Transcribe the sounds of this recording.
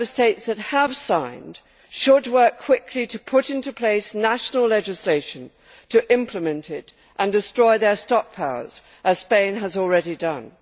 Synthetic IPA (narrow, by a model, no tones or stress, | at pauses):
ə˞steɪtsðɨt̚əv̥sãɪ̃nd̥ | ʃəd̚wɜ˞kʰw̥ɪkʰliɾɨpʰʊɾɪ̃ntupʰl̥eɪsnæʃn̩l̩ˠlɛd͡ʒɨsleɪʃɨ̃n | tʰɨʔɪ̃mpʰləmɨ̃ntʰɪɾ | ʔə̃ndɨstɹ̥ɔɪðə˞stɑk̚pʰaʊə̰˞z̥ | ʔəz̥spẽɪ̃nəzl̩ˠɹɛɾidʌ̃n